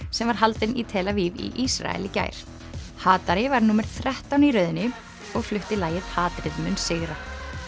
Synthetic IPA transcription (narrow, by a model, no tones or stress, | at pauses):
sɛmvaɾ̥ɦalt̪ɪnit̪ʰɛːlavivḭʔisɾa̰ɛ̰lɪca̰ːjɾ̥ | haːt̪aɾɪvaɾnumɛɾ̥θɾɛht̪awniɾœːɥðɪnːɪ | ɔɣflʏht̪ɪlaːjɪð̥haːt̪ɾɪðmʏnsɪːɣɾa